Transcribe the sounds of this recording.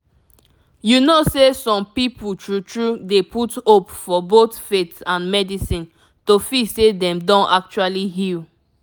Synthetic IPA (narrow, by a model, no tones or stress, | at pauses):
junosesɔ̃mpiputɹutɹudeputopfɔbotfetãnmɛdisĩn | tofisedɛ̃mdɔ̃ntak̚t͡ʃualiɦil